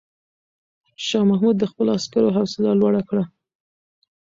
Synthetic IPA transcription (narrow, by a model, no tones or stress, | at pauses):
ʃɑmahmud̪̚ːəxpəloaskaɾoɦawsɪlalwaɽakɽa